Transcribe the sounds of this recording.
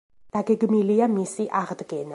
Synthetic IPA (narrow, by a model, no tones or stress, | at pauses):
d̪̥aɡɛɡmiliamisiʔaʁd̪ɡɛna̰